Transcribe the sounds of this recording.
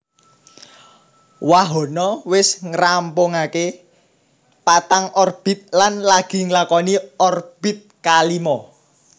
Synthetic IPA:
waɦɔ̤nɔwɪsŋəɾampoŋake | pat̪aŋɔrb̥i̤t̪̚lanlaɡ̥i̤ŋlakɔniɔrb̥i̤t̪̚kalimɔ

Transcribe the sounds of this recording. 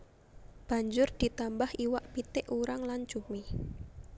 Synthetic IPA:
b̥a̤ɲd͡ʒʊrd̪̥i̤t̪ambahiwaʔpit̪ɪʔuɾaŋlan̥d͡ʒ̥umi

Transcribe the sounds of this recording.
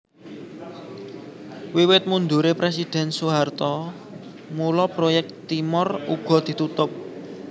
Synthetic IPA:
wiwɪt̪̚mund̪uɾepɾesid̪̥ɛ̤nsuɦart̪ɔ | mulɔpɾojɛk̚t̪imʊruɡ̥ɔ̤d̪̥i̤t̪ut̪ʊp̚

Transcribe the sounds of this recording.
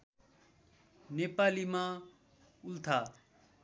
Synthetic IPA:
nepaːlimã | ult̪ʰa

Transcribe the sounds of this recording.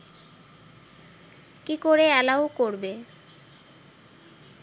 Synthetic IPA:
kikoɾeɛlaokoɾbe

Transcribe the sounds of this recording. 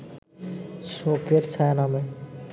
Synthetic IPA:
sokeɾt͡ʃʰajname

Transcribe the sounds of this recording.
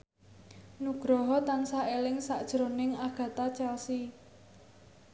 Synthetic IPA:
nuɡ̥ɾɔɦɔt̪ansaelɪŋsaʔd̥ʒ̥ɾonɪŋaɡ̥ä̤t̪at͡ʃɛlsi

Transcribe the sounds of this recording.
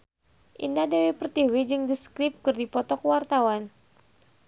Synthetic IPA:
ʔḭndadewepərt̪iwid͡ʒɨŋdiskɾɪp̚kɨrdipɔt̪ɔkəwart̪awan

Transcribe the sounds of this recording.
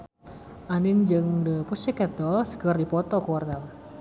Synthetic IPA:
ʔanɪŋd͡ʒəŋdəpusikɛd̪ɔlsə̥kərdipɔt̪ɔkuwarnal

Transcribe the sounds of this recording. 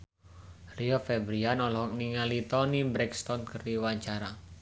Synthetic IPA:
riofɛbɾianɔlɔk̚niŋalit̪ɔnibɾɛkst̪ɔnkərdiwaɲt͡ʃaɾa

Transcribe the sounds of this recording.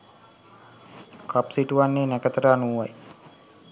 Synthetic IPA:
kʰapsiʈuʋanːeːnækət̪əʈəanuːʋaj

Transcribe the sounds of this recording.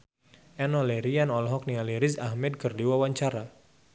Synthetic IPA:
ɛnɔlɛɾianɔlɔɦɔk̚nialiɾɪsahmɛd̪̚kərdiwawaɲt͡ʃaɾa

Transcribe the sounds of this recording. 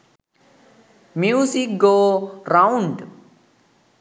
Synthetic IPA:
mjuːsik̚ɡoːɾawɳɖ

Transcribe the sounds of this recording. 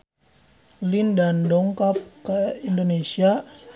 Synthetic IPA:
lindandɔŋkap̚kəindonesia

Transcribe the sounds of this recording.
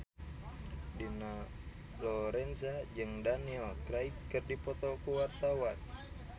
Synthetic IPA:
dina | lɔɾɛnsad͡ʒɨŋdaniɛlkɾaip̚kɨrdipɔt̪ɔkuwart̪awan

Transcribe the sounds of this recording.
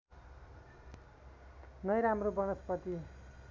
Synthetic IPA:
nʌjɾamrobʌnʌspʌt̪i

